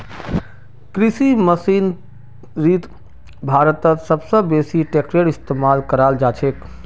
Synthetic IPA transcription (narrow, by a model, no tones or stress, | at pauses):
kɾisiməsiːn | ɾiːt̪ | bʱaːɾət̪ət̪səbsə̃beːsiʈeːkɾeɽɪst̪eːmaːlkəɾaːld͡ʒaːt͡ʃʰeːk